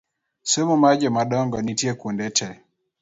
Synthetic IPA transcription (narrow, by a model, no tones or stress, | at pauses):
sɛmumad͡ʒɛmaɗɔŋɡɔnitiɛkundɛtʰɛ